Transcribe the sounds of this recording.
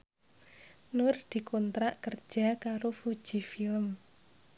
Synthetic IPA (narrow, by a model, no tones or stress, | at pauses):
nʊrd̪̥i̤kont̪ɾaʔkərd̥ʒ̥a̤kaɾofud̥ʒ̥i̤filəm